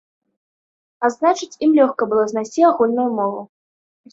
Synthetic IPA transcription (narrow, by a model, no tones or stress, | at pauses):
aznat͡ʂɨt͡sʲimlʲɔxkɐbɨlˠɔznajsʲt͡sʲiaɣulʲnujumɔvu